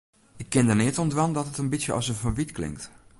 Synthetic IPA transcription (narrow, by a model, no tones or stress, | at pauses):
ʔɪkʰːɪndərnɪətɔndʋandɔtətənbisjəʔɔ̰səfənʋitklɪ̰ŋkt